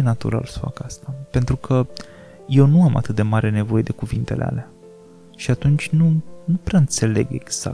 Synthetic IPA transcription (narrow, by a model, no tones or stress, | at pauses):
enat̪ṵɾa̰lsə̥fa̰kast̪ape̞nt̪ɾukʰə | je̞wnuamʔa̰t̪ɨt̪̚d̪e̞maɾe̞ne̞vo̞je̞d̪e̞kuvint̪e̞lʔḛa̰lea | ʃiat̪unt͡ʃʲnunupɾeaɨnt̪se̞le̞̰ɡe̞̰ɡz̥a̰